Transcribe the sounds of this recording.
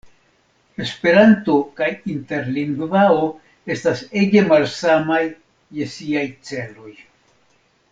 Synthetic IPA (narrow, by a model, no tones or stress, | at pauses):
e̞spe̞ɾanto̞kajinte̞ɾliŋɡvao̞ | e̞stase̞ɡe̞malsamajː | e̞siajt͡se̞lo̞j